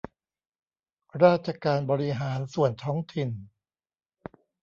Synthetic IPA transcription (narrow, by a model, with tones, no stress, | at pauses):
ɾaː˥˩t̪̚t͡ɕʰa˧kaː˧nbɔː˧ɾi˦ɦaː˩˦nsu˨˩ənt̪ʰɔː˦˥ŋt̪ʰi˨˩n